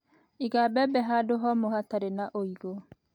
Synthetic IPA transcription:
iɡabɛbɛɦadoɦɔmohataɾenaʔoiɡo

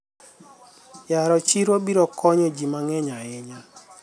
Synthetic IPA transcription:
jaɾɔt͡ʃiɾwobiɾɔkʰɔɲɔd͡ʒimaŋɛɲaɪɲa

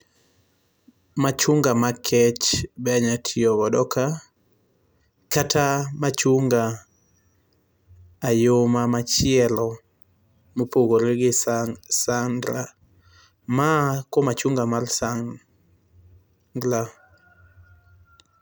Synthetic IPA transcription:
mat͡ʃuŋɡamakʰɛt͡ʃbɛaɲatʰiɔbɔdɔka | katʰamat͡ʃuŋɡa | jomamat͡ʃɪɛlɔ | mopoɡoɾeɡɪsandɾa | makomat͡ʃuŋɡamarsaŋ | ɡla

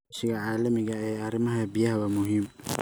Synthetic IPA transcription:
ʃɪɣɐʕɑːlɐmɪɣɐɛːɐɾɪmɐɦɐbijɐɦɐwɐmʊɦiːm

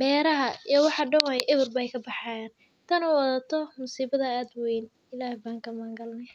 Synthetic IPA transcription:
bɛːɾɐɦɐijwɑħɑɖɐwɐʔɪβʊrbɐjkʰɐbɑħɑːjaːn | t̪ʰɐnɐwɑðaːt̪ʰɔmʊsiːβɐðɐaːd̪wɛjn | ɪlaːhbaːŋkɐmaːŋɡɐlnɛj

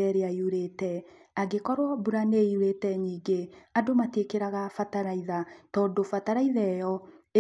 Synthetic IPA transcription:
ɛɾeaiuɾetɛ | aɡekɔɾwɔbuɾaneiuɾetɛɲiːɡeadomatekeɾaɣafataɾaiðatɔːndofataɾaiðɛjɔe

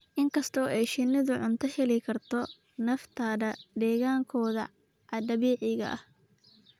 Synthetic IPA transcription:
ʔɪŋkʰɐst̪ʰɔːɛjʃɪnːɪðʊʕʊnt̪ʰɐhɛlɪkʰɐrt̪ʰɔ | nɐft̪ʰɐðɐd̪ɛːɣaːŋkʰɔːðɐ̰ | ʕɑdɐβɛːʕɪɣɐ̰ʔɐh

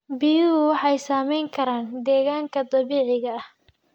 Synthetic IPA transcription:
bijwɑħɑjsaːmɛjŋkʰɐɾaːnd̪ɛːɣaːŋkʰɐd̪ɐβiːʕɪɣɐɐh

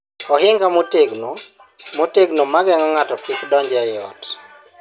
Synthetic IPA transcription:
ɔɦɪŋɡamoteɡno | moteɡnomaɡɛŋɔŋatɔpikdɔɲd͡ʒɛjɔ̰t

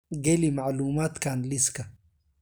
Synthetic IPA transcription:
ɡelimaʕluːmaːt̪kʰaːnliskɐ

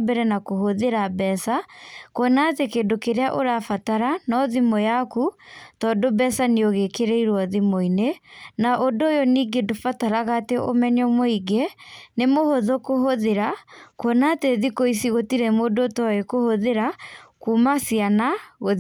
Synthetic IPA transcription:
bɛɾɛnakohoðeɾabɛːsakwɔnatekeːdokeɾeaʔoɾafataɾanɔðimɔjakutɔːdobɛsaneoɣekeɾɛiɾwɔðimoinenaʔodoːjoniːɡedofataɾaɣateʔo̰mɛɲɔmoiɡenemohoðokoɦoðeɾakwɔnaːteðikoisiɣotiɾɛmodotɔekohoðeɾakuːmasianaɣo

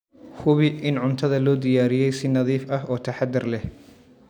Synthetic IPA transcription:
hʊβɪʔɪnʕʊnt̪ʰɐðɐlɔːd̪ɪjaːɾɪjɛjsɪnɐðiːfɐɦɔːt̪ʰɐħɑd̪ːɪrlɛh

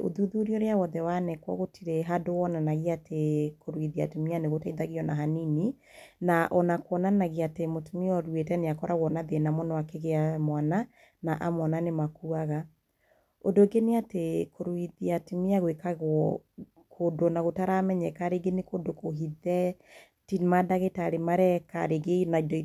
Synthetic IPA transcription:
o̰ðuðuɾiɔɾeawɔðɛwanɛkwɔ̰ɣotʰiɾeɦadowɔnanaɣiatekoɾwiðia̰timianeɣotaiðaɣiɔnaɦanini | naʔɔnakwɔnanaɣiatemotumiɔɾwetɛneakɔɾaɣwɔnaðenamɔnɔakeɣeamwana | naʔamwananemakuaɣa | odoɡeneatekoɾwiðiatimiaɣwekaɣɔ | kʰodonaɣotaɾamɛɲɛkaɾeɡenekodokoɦiðɛ | timadaɣetaɾemaɾɛka̰ɾeɡenaidoi

